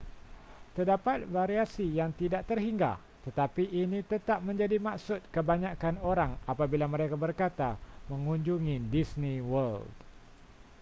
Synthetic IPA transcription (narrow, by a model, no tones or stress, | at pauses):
t̪ərdapat̪̚vaɾiasijaŋt̪idaʔt̪ərɦiŋɡa̰h | t̪ət̪apiʔːnĩt̪ət̪ap̚mə̃ɲd͡ʒadimaksʊt̪̚kəbaɲãkanoɾaŋapabilaməɾekabərkat̪amə̃ŋũɲd͡ʒuŋidisnĩwəld